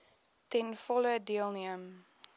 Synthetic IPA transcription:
tɛnfɔlədiəlˠniəm

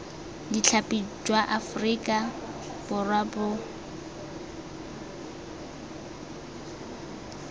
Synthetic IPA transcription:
dɪt͡ɬʰapʼid͡ʒwaʔafrikʼa | b̥ʊrwabʊ

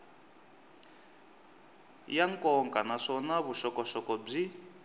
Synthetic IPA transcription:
jaŋkʼɔŋkʼanaʂɔnaβuʃɔkɔʃɔkɔb͡ʐi

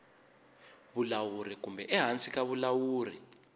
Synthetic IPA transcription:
βulawurik̬umbʱɛʔɛɦant͡sʼikaβulawuːrḭ

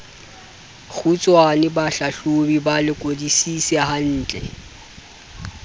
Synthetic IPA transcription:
k͡xʰut͡sʼwanɪbaɬaɬʊbibalɪkʼodisisɛɦan̩ːt͡ɬʼɛ̰

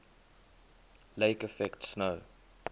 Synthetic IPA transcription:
leɪkəfɛktsnəʊ

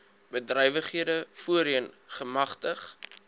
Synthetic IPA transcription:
bədrœjvəχiədəfuəɾiənχəmɐχtəχ

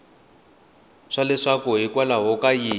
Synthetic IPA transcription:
ʂalɛʂakɔɦikwalaɦɔkajiː

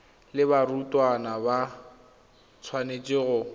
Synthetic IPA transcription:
lɪbarutʼwanaba | t͡sʰwanet͡ʃʼɪːɣʊ

